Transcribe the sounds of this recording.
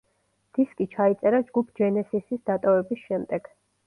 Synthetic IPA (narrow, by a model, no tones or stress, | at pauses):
d̪̥iskʼit͡ʃʰait̪sʼɛɾad͡ʒɡupʰd͡ʒɛnɛsisisd̪at̪ʼɔvɛbisʃɛmd̪ɛɡ̥